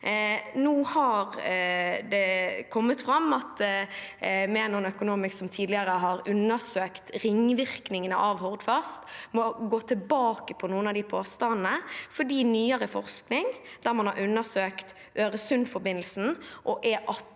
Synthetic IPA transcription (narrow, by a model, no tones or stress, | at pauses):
nuːhɑɾ | d̪ɛkʰɔmːət̪fɾɑmːɑt̪ | mɛnʊnœkʊnuːmɪsksɔmt̪ʰiːd̪lɪəɾəɦɑɾʉnːəsøːkt̪ɾɪŋʋɪɾknɪŋənə̰ʔɑʋɦɔʁd̪fɑst̪mɔɡoːt̪ʰɪlbɑːkəpʰɔnuːənɑd̪ɪpʰoːst̪ɑnnəfɔɖiːnyːəɾəfɔɾsknɪŋd̪̥æɾmɑnhɑ̰ɾʉnːəsøːkt̪ | ʔøːɾəsʉnfɔɾbɪnl̩sn̩ʔɔʔɛʔɑ